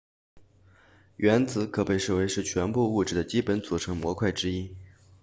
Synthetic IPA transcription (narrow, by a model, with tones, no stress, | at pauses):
ɥɛ˧˥nt͡sɹ̩˧˥kʰɤ˨˩pe˥˧ɪʂɻ̩˥˩we˧˥ɪʂɻ̩˥˩t͡ɕʰɥɛ˧˥npu˥˧u˥˧ʈ͡ʂɻ̩˥˩d̪ə˩t͡ɕi˥pə˧˥nt͡su˨˩ʈ͡ʂʰɤ˧˥ŋmwɔ˧˥kʰwa˥˩ɪʈ͡ʂɻ̩˥i˥